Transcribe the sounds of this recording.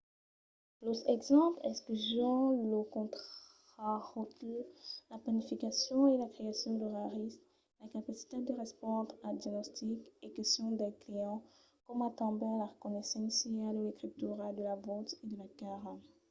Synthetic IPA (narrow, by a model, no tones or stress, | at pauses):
lot̪χɛɡzɑ̃plɛskyzɔ̃lokɔ̃t̪χ | aʁot | lapanifikasjɔ̃elakχeasjɔ̃d̪əʁaʁist | lakapasi̥t̪ed̪əʁɛspɔ̃d̪ʁad̪janɔst̪ikekɛst̪jɔ̃d̪ɛklijɑ̃ | kɔmat̪ɑ̃b̪ɛ̃laʁəkɔnɛsɑ̃sialuekχip̚t̪yʁad̪əlavɔ̃t̪ed̪əlakaʁ